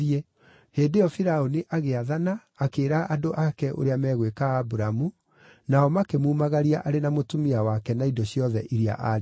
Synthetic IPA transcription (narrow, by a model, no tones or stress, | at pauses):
iɛ | heːndejɔfiɾaoniʔaɣeaðanaːkeːɾaʔadoʔakɛʔo̰ɾeamɛːɣwekaːbuɾamu | naɔmakemuːmaɣaɾiaʔaɾenamotumiawakɛnaidɔɕiɔðɛʔiɾia̰ʔaɾ